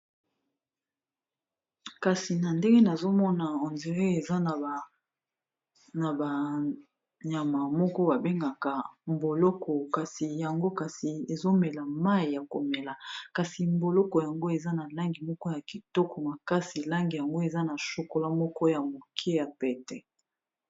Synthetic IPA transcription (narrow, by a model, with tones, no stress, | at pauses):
ka˨si˨na˨nde˦ŋɡe˦na˨zo˦mɔ˦na˨o˨nze˨ʁe˦e˨za˦n˨ | na˨ba˨ | ɲa˨ma˨mɔ˦kɔ˦ba˨be˦ŋɡa˨ka˨mbo˨lɔ˦kɔ˨ka˨si˨ja˨ŋɡo˦ka˨si˨e˨zo˦mɛ˨la˨ma˦i˨ja˨ko˨mɛ˨la˨ka˨si˨mbo˨lɔ˦kɔ˨ja˨ŋɡo˦e˨za˦na˨la˦ŋɡi˨mɔ˦kɔ˦ja˨ki˨tɔ˦kɔ˨ma˨ka˦si˨la˦ŋɡi˨ja˨ŋɡo˦e˨za˦na˨so˨ko˦la˦mɔ˦kɔ˦ja˨mo˨kʰe˦ja˨pɛ˨tɛ˦